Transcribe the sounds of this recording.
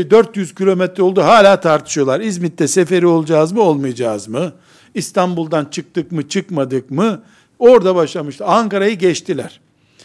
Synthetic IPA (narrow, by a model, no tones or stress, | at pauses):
d̪øɾt̪jyz̥cilʲo̞mɛt̪ɾɛo̞lˠd̪uɦaːlʲaːt̪ʰaɾt̪ʰɯ̥ʃɯjo̞lˠaɾizmit̪ːɛsefe̞ɾio̞lˠd͡ʒaːzmɯo̞lˠmɯjad͡ʒaːzmɯ | ist̪ʰanbulˠd̪ant͡ʃʰɯk̚t̪ɯkmɯt͡ʃʰɯkmad̪ɯkmɯ | o̞ɾd̪abaʃlˠamɯʃt̪ɯaŋkaɾajɯɟɛt͡ʃt̪ʰilʲæɾ̥